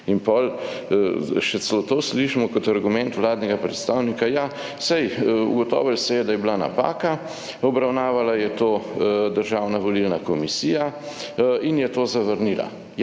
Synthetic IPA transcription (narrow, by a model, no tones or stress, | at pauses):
inpɔl | ʃɛt͡sslot̪oːsliʃimɔkɔt̪aɾɡumɛnt̪ʋlaːd̪nɛɡapɾɛt̪st̪aːwnikaja | sɛjṵɡɔt̪ɔ̰ːʋəlsɛjɛd̪ajɛblana̰pa̰ːka | ɔbɾawnaːʋalajɛt̪oːd̪əɾʒawnaʋɔlilnakɔmisiːja | injɛt̪oːzaʋəɾnila̰ | j